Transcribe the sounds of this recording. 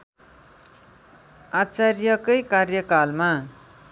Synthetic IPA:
at͡sarjʌkʌjkarjʌkalma

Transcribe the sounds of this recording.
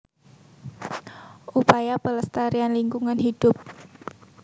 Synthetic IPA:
ʔupajapələst̪aɾianliŋkuŋanhid̥ʊp̚

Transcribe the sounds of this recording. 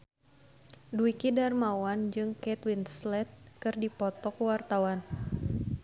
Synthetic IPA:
duikidarmawand͡ʒɨŋkɛt̪winslɛt̪̚kɨrdipɔt̪ɔkwart̪awan

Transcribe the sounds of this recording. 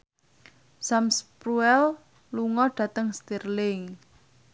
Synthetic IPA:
samspɾuɛl | luŋɔɖ̥ä̤t̪əŋst̪irlɪŋ

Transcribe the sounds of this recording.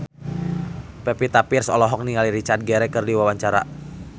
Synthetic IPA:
pɛpit̪apirsɔlɔɦɔk̚niŋaliɾit͡ʃart̪̚ɡɛɾɛkɨrdiwawaɲt͡ʃaɾa

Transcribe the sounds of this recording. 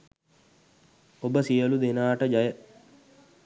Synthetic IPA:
obəsijəlud̪enaːʈəd͡ʒajə

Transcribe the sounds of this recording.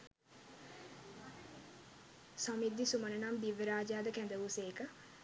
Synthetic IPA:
sɔmid̪ːisumənənamd̪iʋəɾaːd͡ʒaːd̪əkɛ̃nd̪əʋuseːkə

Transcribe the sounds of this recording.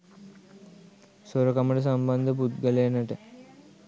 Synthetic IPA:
soɾokaməʈəs̬ɐmband̪əput̪ɡəlejnəʈə

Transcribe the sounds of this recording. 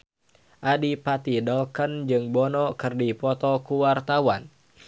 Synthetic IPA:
ʔadipat̪idɔkənd͡ʒɨŋbɔnɔkɨrdipɔt̪ɔkuwart̪awan

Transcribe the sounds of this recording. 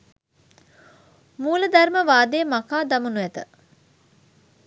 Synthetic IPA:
muːləd̪ærməʋaːd̪eːmakaːd̪amunuæt̪ə

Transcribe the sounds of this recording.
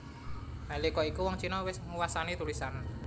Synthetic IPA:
malikɔikuwɔŋt͡ʃinɔwɪsŋuwasanit̪ulisan

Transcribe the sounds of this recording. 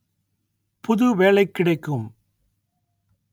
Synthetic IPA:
pʊðʊʋeːlɐɪkːɪɽɐɪkːɯm

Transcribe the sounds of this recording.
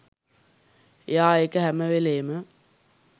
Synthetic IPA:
ejaːeːkəɦæməʋeleːmə

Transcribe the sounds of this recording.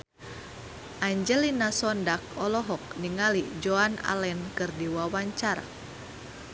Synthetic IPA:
ʔaɲd͡ʒɛlinasɔndak̚ɔlɔɦɔk̚niŋalid͡ʒoana̰lɛnkɨrdiwawaɲt͡ʃara

